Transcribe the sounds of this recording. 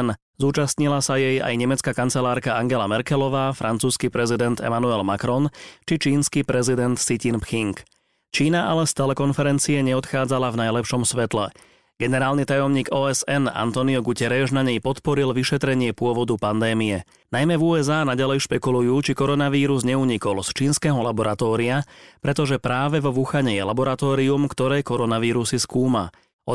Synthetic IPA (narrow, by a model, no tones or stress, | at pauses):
n | zuːt͡ʃast̪ɲilasajɛja̰jɲɛmɛt͡skakant͡sɛlaːɾkaaŋɡɛlamɛɾkɛlɔʋaːfɾʔant͡suːskipɾɛzid̪ɛnt̪ɛ̰manuɛlmakɾɔnt͡ʃit͡ʃiːnskipɾɛzid̪ɛnt̪sicinpxiŋk | t͡ʃiːnaʔalɛst̪ɛlɛkɔnfɛɾɛnt͡siɛɲɛɔt̪xaːd͡zalavnajlɛpʃɔmsʋɛt̪lɛ̰ | ɡ̥ɛnɛɾaːlnit̪ajɔmɲiːɡɔːɛzɛna̰nt̪ɔniɔɡucɛɾɛʒnaɲɛjpɔt̪pɔɾilʋiʃɛt̪ɾɛɲɪɛpʊɔʋɔd̪upand̪ɛːmijɛ | najmɛvuːɛzaːnaɟalɛjʃpɛkulujuːt͡ʃikɔɾɔnaʋiːɾuzɲɛuɲikɔlst͡ʃiːnskɛːɦɔlabɔɾat̪ɔːɾiapɾɛt̪ɔʒɛpɾaːʋɛʋɔʋuxaɲɛjɛlabɔɾat̪ɔːɾiumkt̪ɔɾɛːkɔɾɔnaʋiːɾusiskuːma̰ | ɔ